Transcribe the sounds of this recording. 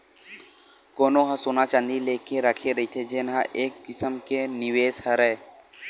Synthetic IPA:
koːnoɦãsʊnat͡ʃə̃nd̪ileːkeɾəkʰeɾəɦit̪ʰed͡ʒɪnɦã̰ʔeːkːɪsəmkenɪweːshəɾɛː

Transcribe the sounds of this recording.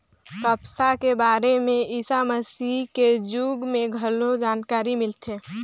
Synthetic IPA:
kəpsakebaːɾemẽisaməsiked͡ʒuːɡmẽɡʱəlod͡ʒaːnkaːɾimɪlt̪ʰe

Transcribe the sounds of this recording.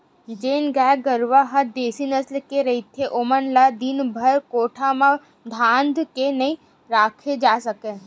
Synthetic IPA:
d͡ʒeːnɡɛːɡəɾʋaɦɐd̪eːsinəslkeɾɐɦit̪ʰeʔʊmənlad̪ɪnbʱɐɾkoːʈʰamã | d̪ʱãːnd̪ʱkenɐĩ | ɾaːkʰed͡ʒaːsɐkẽ

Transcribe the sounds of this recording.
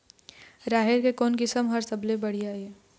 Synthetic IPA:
ɾaːɦɪɾkekɔːnkɪsəmɦəɾsɐblẽbɐɽ̤ijaɦeː

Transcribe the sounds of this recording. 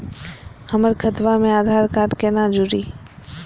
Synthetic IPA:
həməɾkʰət̪ʋamẽaːd̪ʱaːɾkaːɾʈkeːnad͡ʒuɾiː

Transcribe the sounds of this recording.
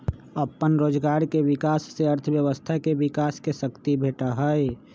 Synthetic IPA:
əpːənɾoːd͡ʒɡaːɾkeʋɪkaːsːeəɾt̪ʰəbjəʋəst̪ʰakeʋɪkaːskesəkt̪ibʱeːʈaɦəj

